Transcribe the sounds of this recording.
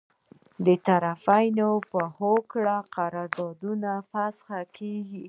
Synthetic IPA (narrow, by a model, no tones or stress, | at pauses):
d̪ət̪aɾafajnopəhokɽaqaɾɑɾd̪ɑd̪unafasxakʰeɡi